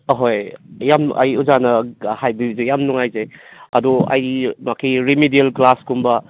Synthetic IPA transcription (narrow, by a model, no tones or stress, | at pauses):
ɦojjama̰jud͡ʒanɐhajbizejamnuŋajzeɐ̰dua̰jmakʰiɾimidielɡlaskumbɐ